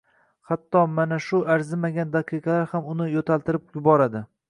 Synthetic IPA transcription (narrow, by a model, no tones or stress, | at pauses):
hat̪ʰːɒmanaʃʊʔaɾzɪmaɡʲand̪aqʰɨqʰɑlaɾhamʊnɪjot̪ʰalˠt̪ɪɾɪp̚jʊbɒɾad̪ɪ